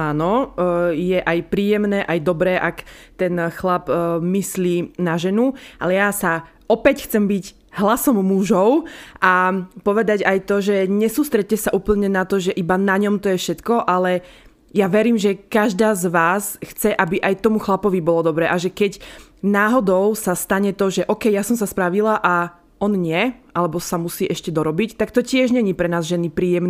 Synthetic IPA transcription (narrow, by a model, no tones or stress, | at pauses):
aːnɔ | jɛʔajpɾiːjɛmnɛːʔajd̪ɔbɾɛːʔakt̪ɛnxlapmisliːnaʒɛnualɛjasa | ɔpɛcxt͡sɛmbiɟ | ɦlasɔmːuʒɔʊʔapɔʋɛd̪aɟajt̪ɔʒɛɲɛsuːst̪ɾɛt̚cːɛsaʔuːpl̩ɲɛnat̪ɔʒɛʔibanaɲɔmt̪ɔjɛfʃɛt̪kɔʔalɛ | jaʋɛɾiːmʒɛkaʒd̪aːzʋaːsxt͡sɛʔabiʔajt̪ɔmuxlapɔʋibɔlɔd̪ɔbɾɛːʔaʒɛkɛcnaːɦɔd̪ɔʊsast̪aɲɛt̪ɔʒɛʔɔkɛjjasɔmsaspɾaʋilaʔa | ʔɔnɲɪɛʔalɛbɔsamusiːʔɛʃcɛd̪ɔɾɔbict̪akt̪ɔcɪɛʒɲɛɲipɾɛnaːzʒɛnipɾiːjɛmn